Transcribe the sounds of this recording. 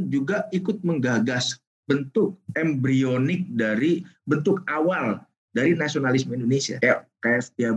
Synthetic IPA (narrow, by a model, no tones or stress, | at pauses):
nd͡ʒuɡaikʊt̪̚məŋɡaɡas | bənt̪ʊk̚ɛmbɾionɪk̚daɾibənt̪ʊkawal | daɾinasionalismindonesia̰akajasə̥t̪ia